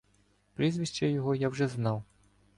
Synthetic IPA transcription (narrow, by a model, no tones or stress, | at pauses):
pɾʲizʋʲiʃt͡ʃɛjɔɦɔjawʒɛznɑw